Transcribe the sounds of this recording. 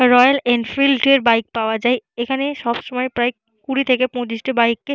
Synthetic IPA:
ɾɔjalɛnfilɖʈieɾbajk̚paoad͡ʑajekʰaneʃɔbʃomɔepɾaj | kuɾit̪ʰekepõt͡ɕiʃʈibajkːe

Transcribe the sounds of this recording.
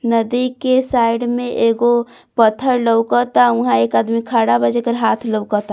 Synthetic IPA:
nəd̪ikesajɖmẽʔeɡo | pət̪ʰːəɾləwkət̪auɦãekaːd̪mikʰaɽabəd͡ʒekəɾɦat̪ʰləwkət̪a

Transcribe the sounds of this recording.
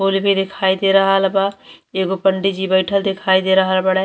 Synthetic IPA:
olibid̪ekʰaːid̪eɾəɦalbaeɡopəɳɖid͡ʒibəɪʈʰəld̪ekʰaːid̪eɾəɦəlbəɽɛ

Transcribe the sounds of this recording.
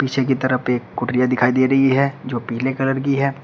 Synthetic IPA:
pit͡ʃʰek̬it̪ɐɾəpeːkːʊʈɾijad̪ɪkʰaːid̪eːɾɐɦiɦɛd͡ʒoːpiɦlekɐləɾk̬iɦɛː

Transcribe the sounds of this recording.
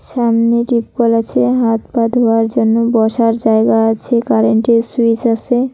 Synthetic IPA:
ʃamneʈipkɔlat͡ɕʰeɦat̪pad̪ɦoaɾd͡ʑonːobɔʃaɾd͡ʑaeɡaat͡ɕʰekaɾeɳʈesuisase

